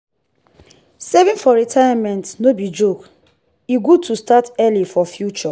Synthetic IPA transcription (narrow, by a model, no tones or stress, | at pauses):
sɛvĩnfɔɹitʰajamɛ̃ntnobid͡ʒok | iɡud̚tʰustatɛlifɔfjut͡ʃɔ